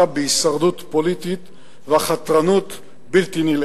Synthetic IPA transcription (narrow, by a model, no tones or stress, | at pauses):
abeisaʁd̪ut̪polit̪it̪ | veaχat̪ʁanut̪ | bilt̪inil